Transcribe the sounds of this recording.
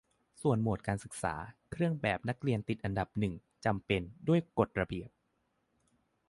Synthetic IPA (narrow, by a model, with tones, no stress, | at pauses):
su˨˩ənmo˨˩t̪̚kaː˧nsɯ˨˩k̚sa̰ː˩˦kʰɾɯ˥˩əŋbɛː˨˩p̚na˦˥k̚ɾi˧ənt̪i˨˩t̪̚ʔa˧nda˨˩p̚nɯ˨˩ŋ | t͡ɕa˧mpe˧ndu˥˩əjko˨˩t̪̚ɾa˧bi˨˩əp̚